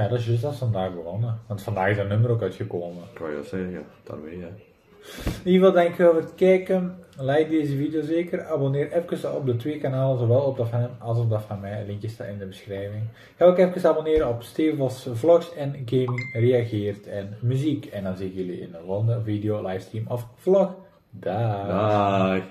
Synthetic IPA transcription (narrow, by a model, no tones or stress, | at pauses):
jadɔsjøs̬asfɔndaːxbəɔnəʋɑntfandaːɣɪsənːømərokœɥtxəkoːməka̰jə̰sɛja̰d̥a̰rʋe | ivɑlˠdɛŋkɪkoːvərətkɛkənlɛjdeːzəvidjozeːkərabonɪːɾɛfkəsɔ̰p̚dətʋeəkanaːlˠəzoʋɛlˠɔp̚dɔfmɑlˠsɔp̚dafamɛlɪŋkjəsta̰ɪndəbəsxrɛːvɪŋ | kɛlˠkɛfkəsabonɪːɾəɔpstɪvɔsflɔksɛnɡeːmɪŋreaɣɪərtʰɛnmyzikɛndɔnzitjəliɪ̰nəʋɔndəvideolajfstimɔfflɔx | da